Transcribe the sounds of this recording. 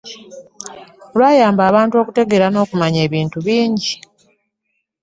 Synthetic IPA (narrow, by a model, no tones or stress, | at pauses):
olwaːjaːmbaːβaːntuo̞ːkute̞ɡe̞ɾano̞ːkumaɲe̞ːβiːntuβiːɲɟi